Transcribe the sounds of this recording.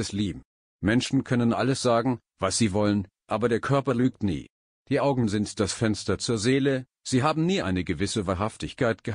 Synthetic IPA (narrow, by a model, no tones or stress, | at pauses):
ɛsliːbm̩ | mɛnʃn̩kʰœnənʔa̰ləsz̥aːɡŋ̩ | vasz̥iːvɔlən | ʔaːbɐdeːɐkʰœɐpɐlyːk̚tnḭː | d̥iːʔaʊɡŋ̩n̩zɪntd̥asfɛnstɐt͡suːɐzeːlə | z̥iːɦaːbm̩niːʔa̰ɪnəɡəvɪsəvaːɐɦaftɪçkʰaɪtɡ̥ə